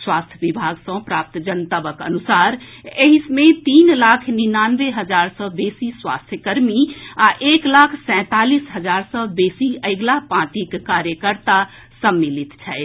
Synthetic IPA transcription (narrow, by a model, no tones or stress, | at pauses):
swaːst̪ʰjəʋibʱaɡsə̃pɾaːp̚t̪d͡ʒənt̪əbəkə̰nusaːɾeɦismẽt̪iːnlaːkʰninaːnʋeɦəd͡ʒaːɾsɔ̃beːsiswa̰ːst̪ʰjəkəɾmiaʔeːklaːkʰsɛ̃ːt̪aːliːsɦəd͡ʒaːɾsɔːbeːsiəɪɡlapãːʈ̪ikːaːɾjəkəɾt̪a | səmːilit̪t͡ʃʰɛɪt̪